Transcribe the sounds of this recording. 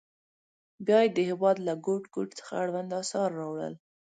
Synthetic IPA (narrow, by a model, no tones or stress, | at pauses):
bjɑjed̪əhɪwɑd̪laɡoʈɡoʈt͡sə̥xaaɽwand̪ɑsɑɾːɑwɽə̰l